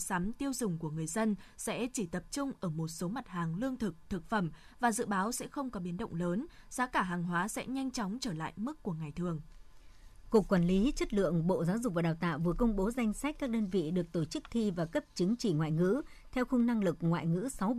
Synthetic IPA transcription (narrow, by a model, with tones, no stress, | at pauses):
sa˨˦mt̪i˧əwzʊ˨˩ŋ͡mku˧˩əŋɨ˨˩əjzə˧nsɛ̰˧˥t͡ɕi˧˩t̪ə˨˩p̚t͡ɕʊ˧ŋ͡mʔəː˧˩mo˨˩t̚so˨˦ma˨˩t̚haː˨˩ŋlɨ˧əŋt̪ʰɨ˨˩k̚t̪ʰɨ˨˩k̚fə˧˩mvaː˨˩zɨ̰˧˨ɓaː˨˦wsɛ̰˧˥xə˧wŋ͡mkɔ˨˦ɓi˨˦ənɗə̰˧˨wŋ͡mləː˨˦nz̥aː˨˦kaː˧˩ɦaː˨˩ŋɦwaː˨˦sɛ̰˧˥ɲa˧jŋ̟t͡ɕɔ˨˦wŋ͡mt͡ɕəː˧˩la̰ː˧˨jmɨ˦˥kːu˧˩əŋa˨˩jt̪ʰɨ˨˩əŋ | ku˨˩əkːwaː˨˩nli˨˦t͡ɕə˦˥t̚lɨ̰˧˨əŋɓo̰˧˨zaː˨˦wzʊ˨˩k͡p̚vaː˨˩ɗaː˨˩wt̪a̰ː˧˨wvɨ˨˩əkə˧wŋ͡mɓo˨˦za˧jŋ̟sa˦˥k̟̚kaː˦˥k̚ɗəː˧nvḭ˧˨ɗɨ˨˩ək̚t̪o˧˩t͡ɕɨ˦˥k̚t̪ʰi˧vaː˨˩kə˦˥p̚t͡ɕɨ˨˦ŋt͡ɕi˧˩ŋwa̰ː˧˨jŋɨ̰˧˥ | t̪ʰɛ˧wxʊ˧ŋ͡mna˧ŋlɨ˨˩k̚ŋwa̰ː˧˨jŋɨ̰˧˥sa˨˦w